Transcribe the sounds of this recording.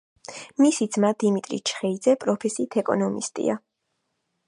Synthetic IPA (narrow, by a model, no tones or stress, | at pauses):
misid̪z̥mad̪imit̪ʼɾḭt͡ʃʰχɛid̪zɛpʼɾɔpʰɛsiːt̪ʰɛkʼɔ̰nɔmḭst̪ʼḭa